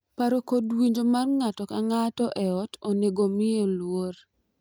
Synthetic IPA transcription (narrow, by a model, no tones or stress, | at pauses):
paɾokodwiɲd͡ʒomarŋatɔkaŋatɔʔɛɔtoneɡomɪolwor